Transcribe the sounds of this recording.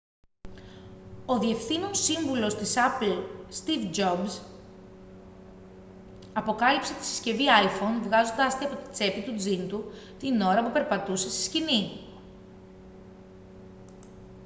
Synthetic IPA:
o̞ðie̞fθino̞siɱvulo̞st̪isɐplst̪ivd͡ʒo̞bz | ɐpo̞kɐlipse̞t̪i̥si̥sce̞viɐifo̞nvɣɐzo̞nd̪ɐst̪eɐpot̪i̥t͡se̞pit̪ud͡zint̪u | t̪ino̞ɾɐpupe̞ɾpɐt̪use̞si̥scini

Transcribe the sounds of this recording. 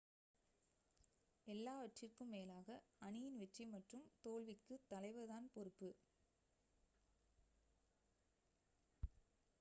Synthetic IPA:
ʔɛlːaːʋɐʈrɪrkɯmːeːlaːɣɐɐɳɪjɪnʋɛʈrimɐʈrɯmt̪oːlʋɪkːɯt̪ːɐlɐɪʋɐðaːnpɔɾɯpːɯ

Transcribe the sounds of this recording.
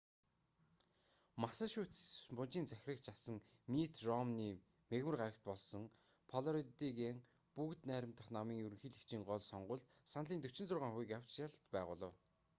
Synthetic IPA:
masăʃuːt̪mpʊn̥t͡ɕiːnt͡sæxʲɾə̆kt͡ɕʰasə̆ŋ | mit̪rɔmniː | meɣmɘ̆rɢaɾə̆kt̪̚pɔɮsɞ̆ŋ | pʰɔɮɔɾit̪iɣeːŋ | pukt̪næːɾʲɪ̆m̥t̪ə̆χnamiːŋɵɾɵ̆ŋxiːɮikt͡ɕiːŋɢɔɮsɔɴɢʊ̆ɮt̪ | sanɮiːnt̪ɵ̥t͡ɕɪ̆nt͡sʊrʁaːŋχuiːkaw̥ʲt͡ɕjaɮt̪pæːʁʊːɮə̆w

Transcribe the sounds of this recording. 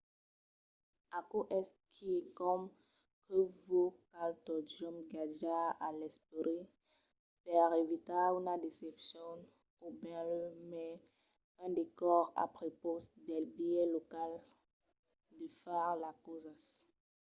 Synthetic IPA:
akoʔɛskʰikɔm | kəvokalt̪ɔd͡ʒɔmɡad͡ʒaalɛspoɾe | pɛʁevit̪aynad̪esɛpsjɔ̃n | objɛ̃ləmɛ | ɛ̃d̪ekɔʁa̰pʁeposd̪ɛlbijɛlokal | d̪əfɛʁlakozas

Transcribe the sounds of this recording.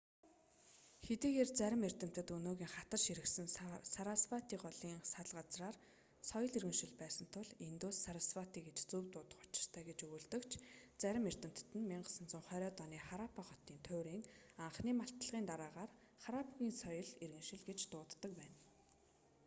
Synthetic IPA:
xet̪iːɣeːrt͡sæɾʲɪ̆mer̥t̪ɘ̆m̥t̪ɘ̆t̪unoːɣʲiːŋχat̪ə̆rʃiɾɘ̆ksɘ̆nsaɾaspat̪iːɢɔɮiːŋsaɮɢat͡sraːr | sɔjɞ̆ɮirɣɘ̆ŋʃɪ̆ɮpæːsə̆n̥t̪ʰʊɮint̪uːsːaɾaspat̪iːɡet͡ɕt͡suːpt̪ʊːt̪ə̥̆χʊ̥t͡ɕɪ̥̆r̥t̪ʰæːɡet͡ɕɵɣɵːɮt̪ɘ̆kt͡ɕʰt͡sæɾʲɪ̆mer̥t̪ɘ̆m̥t̪̆t̪ɘ̆nmiɴɢə̆sə̆nt͡sʊɴχœɾʲœːt̪ɔniːχaɾapʰaχɔt̪iːnt̪ʰʊːɾiːŋaɴχniːmaɬt̪ə̆ɮʁiːnt̪aɾaːʁaːr | χaɾapʰɣʲiːnsɔjɞ̆ɮirɣɘ̆ŋʃɪ̆ɮɡet͡ɕt̪ʊːt̪ːə̆k̚pæːn

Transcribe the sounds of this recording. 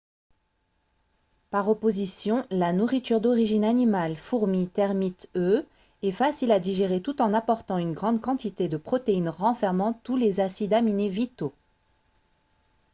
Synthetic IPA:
paʁɔpozisjɔ̃lanuʁit̪yʁd̪ɔʁiʒinanimalfuʁmit̪ɛʁmit̪ø | ɛfasilad̪iʒeʁet̪ut̪ɑ̃napɔʁt̪ɑ̃ynɡʁɑ̃d̪̚kɑ̃t̪it̪ed̪əpχɔt̪einʁɑ̃fɛʁmɑ̃t̪ulezasid̪aminevit̪o

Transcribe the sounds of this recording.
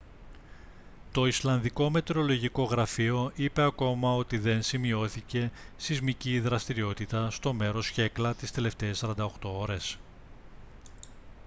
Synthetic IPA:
t̪o̞islɐnðiko̞me̞t̪eɾo̞lo̞ʝiko̞ɣɾɐfio̞ʔipe̞ɐko̞mɐo̞t̪iðe̞nsimio̞θice̞sizmiciðɾɐst̪iɾio̞t̪it̪ɐst̪o̞me̞ɾo̞sçe̞klɐt̪ist̪e̞le̞ft̪e̞ːsɐɾɐnd̪ɐoxt̪o̞oɾe̞s

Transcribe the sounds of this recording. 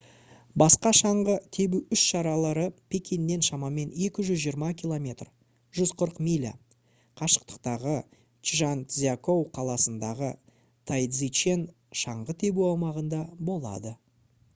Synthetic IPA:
bɑsqɑʃɑɴʁət̪ʰe̞buʏʃʃɑɾɑlˠɑɾəpʰe̞kʲinːe̞nʃɑmɑme̞ne̞kʲɪʒʏzʒijəɾmɑkʲʰilˠo̞mʲe̞t̪r | ʒ̥ʏzqʰəɾəqmʲijlʲa̰ | qʰɑʃə̥q̚t̪ə̥qt̪ɑʁə | t͡ʃʒant̪zʲako̞wqʰɑlˠɑsənd̪ɑʁə | t̪ʰajd̪zit͡ʃe̞n | ʃɑɴʁət̪ʰe̞buɑwmɑʁənd̪ɑbo̞lˠɑ̰d̪ə

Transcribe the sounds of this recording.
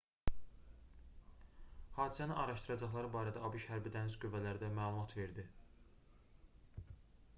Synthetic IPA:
hɑːd̪isæninʔɑɾɑʃt̪ɯɾɑd͡ʒɑχlˠɑɾɯbɑːɾæd̪æɑbiʃhæɾbid̪ænizɡyvælæɾd̪æmæːlˠumɑt̪ʰve̞ɾd̪i

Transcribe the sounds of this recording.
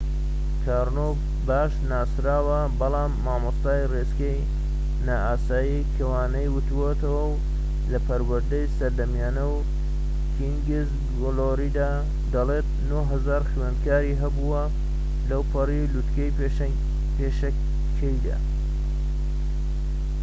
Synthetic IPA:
kʰaːɾno | baːʃnaːsɾaːwɐ | bɐlaːmːaːmost̪aːjreskɐj | naːʔaːsaːjikʰɐwaːnɐjwʊt̪uwot̪ɐwɐw | lɐpɐɾwɐɾd̪ɐjsɐɾd̪ɐmjaːnɐw | kʰiŋɡiz | ɡoloɾid̪aː | d̪ɐlet̪̚noɦɐzaːɾxwenkaːɾiːɦɐbuwɐ | lɐwpʰɐrilut̪kɐj | peːʃɐ | kʰɐjd̪a̰ː

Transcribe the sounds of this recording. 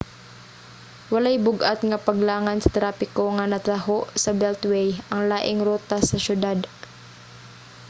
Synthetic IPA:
wɐlajbʊɡʔat̪̚ŋɐpɐɡlaːŋansɐ̥t̪ɾaːpɪkoŋɐnɐt̪aɦoʔsɐbɛlt̪wɛjʔɐŋlaːʔɪŋɾuːt̪asɐʃʊd̪ad̪

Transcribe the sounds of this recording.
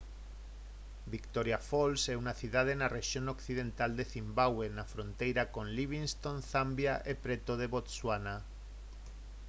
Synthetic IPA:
bikt̪oɾjafolseunaθiðað̞enareʃjonokθiðẽnt̪ald̪eθimbaɣwenafɾont̪ejɾakõ̞nliβ̞inst̪onθambjaʔepɾet̪oð̞eβot̪swana

